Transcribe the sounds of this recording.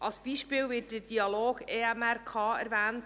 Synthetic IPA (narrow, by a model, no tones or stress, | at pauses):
ʔɑlsb̥iːʃpɪːlvɪːtdəd̥iɑloːɡeːɛmærkʰɑːæɾvæːnt